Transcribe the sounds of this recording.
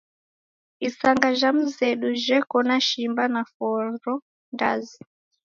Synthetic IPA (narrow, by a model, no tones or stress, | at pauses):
isaŋɡaʒam̩zɛɗuʒɛkɔnaʃimbanafɔɾɔ | ndazi